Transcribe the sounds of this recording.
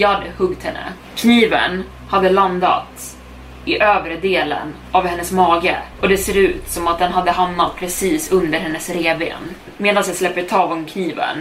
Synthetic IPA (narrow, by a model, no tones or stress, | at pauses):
jɑːd̪hɵɡt̪hɛnːə̰ | kʰniːvə̰n | had̪ːəland̪a̰t̪ | ɪʔøːvɾəd̪eːlə̰n | ʔavhɛnːəsmɑːɡəɔd̪ɛseːɾʉ̟ːt̪sɔmat̪̚d̪ɛnɦad̪ːəɦamnat̪̚pʰɾɛsiːsɵnd̪əɾɦɛnːəsɾeːbḛːn | meːd̪ansjɑslɛpːət̪ʰɑːvɔmmkʰniːvə̰n